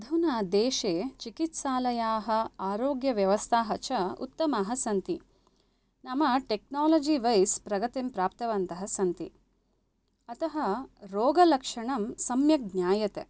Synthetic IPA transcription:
d̪ʱunaːd̪eːʃeːt͡ʃikit̪saːlɐjaːɦɐ̆aːɾoːɡjɐʋjɐʋɐst̪ʰaːɦɐt͡ʃɐṵt̪ːɐmaːɦɐsɐnt̪i | nɐmɐʈek̚naːloːd͡ʒiʋɐjspɾɐɡɐt̪impɾaːp̚t̪ɐʋɐnt̪ɐɦɐsɐnt̪i | ɐt̪ɐɦɐɾoːɡɐlɐkʂɐɳɐmsɐmjɐɡnjaːjɐt̪e

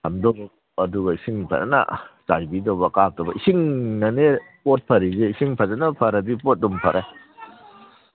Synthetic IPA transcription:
hɐmdɔ | ɐduɡɐisiŋpʰɐ̰tɐ̰na̰t͡ʃajbidobɐkatɔbɐisiŋnɐne | pot̚pʰɐɾiɡeisiŋpʰɐzanapʰɐɾɐdipot̚ːumpʰɐɾʔe

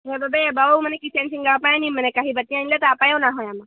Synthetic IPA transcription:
ɦebəbəebaʋawmənekit̪ʰansiŋɡapajãnim̤ənekaɦiːbət̪ːĩãnlat̪əapajãnaɦojama

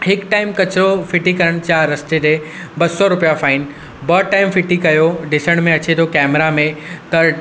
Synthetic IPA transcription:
hɪkʈaːɪmkɐt͡ɕɾofɪʈikɐɾəɽ̃t͡ɕaɾɐst̪ed̪eː | bɐsɔɾʊpijafaːɪn | bɐʈaːɪmfɪʈikɐjoɖɪsəɽ̃mẽɐt͡ɕet̪ʰokɛːmɾamẽt̪ɐ

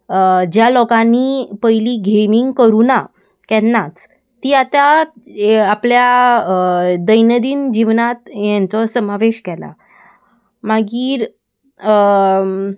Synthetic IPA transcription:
d͡ʑjalɔkãniːpəjliːɡʱemiŋɡkəɾuna | kɛ̃nːat͡s | t̪iːat̪aː | plja | d̪əjnəd̪iːnd͡ʑiʋnat̪jant͡sɔsəmaʋeɕkɛla̰ | maɡiːɾ

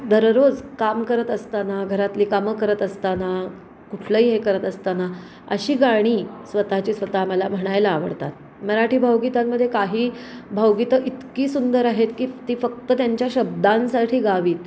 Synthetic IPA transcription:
d̪ʱəɾɾod͡zkamkəɾət̪əst̪anaɡʱəɾat̪liːkaməkəɾət̪əst̪ana | kuʈʰləiɦekəɾət̪əst̪ana | ə̰ɕiːɡaɽ̃iːsʋət̪at͡ɕiːsʋət̪aməlam̤əɽ̃ajlaːʋə̰ɽt̪a̰t̪̚ | məɾaʈʰiːbʱawɡit̪ammːəd̪ʱːjekaɦiːbʱəwɡit̪əʔit̪kiːsund̪əɾaɦet̪kiːt̪iːfək̚t̪ət̪jaɲt͡ɕjaɕəb̚d̪ansaʈʰiːɡaʋiːt̪

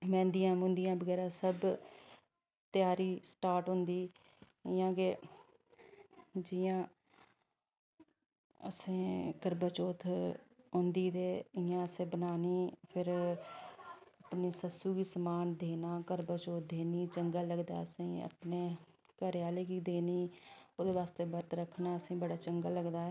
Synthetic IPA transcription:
mɛ̃ːnd̪ijãːmʊ̃nd̪ɪjãːbəɡɛːɾaːsəb | t̪jaːɾiːsʈaːɾʈɦʊ̃nd̪iː | ɪjãːkeː | d͡ʒɪːãː | əsẽːkəɾbət͡ʃoːt̪ʰɦʊ̃nd̪iːt̪eːɪjãːəsẽːbənaːniːpʰɪɾ | əpneːsəsuːɡiːsəmaːnd̪eːnaːkəɾbət͡ʃoːt̪̚ʰd̪eːniːt͡ʃəŋɡaːləɡd̪a̰ːəsĩːə̰pneː | kəɾɪjaːleːkiːd̪eːniːoːd̪eːʋaːst̪eːbəɾt̪ɾəkʰːnaːəsĩːbəɽaːt͡ʃəŋɡaːləɡd̪aːɛː

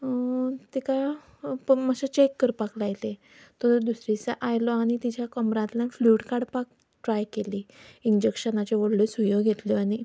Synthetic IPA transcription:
t̪ika | pmaɕat͡ɕekːəɾpaklajle | t̪ɔɾd̪usɾit͡saʔajlɔaɽ̃it̪it͡ɕjakɔmɾãt̪lãfluːʈkaɽpak̚ | ʈɾajkeliiɲd͡ʑekɕənat͡ɕeʋoɽlesujoɡɡʱet̪lɔañi

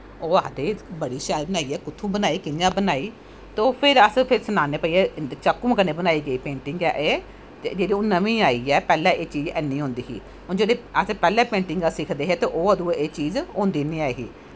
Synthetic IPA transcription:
oːaːd̪eːbəɽiːʃɛːlbənaːiːɛːkʊt̪ʰːũːbənaːiːkɪnjãːbənaːiː | t̪õːpʰɪɾəspʰɪɾsənaːneːpəiːɛːt͡ʃəkːuːməkəneːbənaːiːɡəiːpẽːɳʈɪŋɡɛːʔeː | d͡ʒeːɽiːoːnəmĩːaːiːɛːpɛːlɛ̃ːʔeːt͡ʃiːd͡ʒɛːnĩːɦõːnd̪iːɦḭː | oːd͡ʒeːɽeːəsepɛːlɛ̃ːpẽːɳʈɪŋɡasɪkʰd̪eːɦeːt̪eːʔoːəd̪ũːeːt͡ʃiːzõːnd̪iːnĩːaːeɦiː

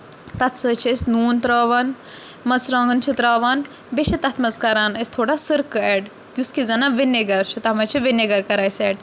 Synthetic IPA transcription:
t̪ɐt̪ʰsəːt͡ʃʰesʲnuːnt̪ɾaːʋaːn | mɐt͡sɾãːŋɡɐnt͡ʃʰit̪ɾaːʋaːn | beʃit̪ɐt̪ʰmɐzkɐɾaːnɐsʲt̪ʰoːɽasɨɾkɛːʈ | ɡʲuskizɐnaʋinːeɡɐɾt͡ʃʰut̪ɐmɐt͡ʃʰiʋineɡɐɾkɐɾaːjsɛːɖ

